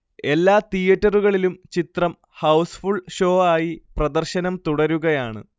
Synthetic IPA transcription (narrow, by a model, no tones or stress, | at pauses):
e̞lːaːt̪ijɐʈːɐruɣɐɭilumt͡ɕit̪rɐm | hɐwsfuɭɕo̞ːaːjiprɐd̪ɐrɕɐnɐmt̪uɽɐɾuɣɐjaːɳɨ̰